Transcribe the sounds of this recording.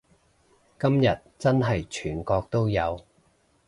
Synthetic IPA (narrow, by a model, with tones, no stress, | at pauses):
kɐ˥mjɐ˨t̚t͡sɐ˥nɦɐ˨jt͡ʃʰyː˨˩nkɔː˧k̚t̪o˥wjɐ˨˧w